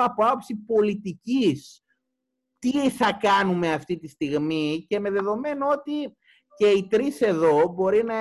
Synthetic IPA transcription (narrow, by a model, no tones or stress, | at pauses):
ɐpoɐopsipo̞lit̪icis | t̪iθɐkɐnume̞ɐft̪it̪ist̪iɣmice̞me̞ðe̞ðo̞me̞noo̞t̪i | ce̞it̪ɾise̞ðo̞bo̞ɾinɐ